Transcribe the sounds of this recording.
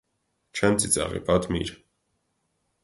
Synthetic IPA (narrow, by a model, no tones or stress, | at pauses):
t͡ʃʰɛmt͡sʼit͡sʼɑ̰ʁḭpʼɑt̪ʰmḭɾ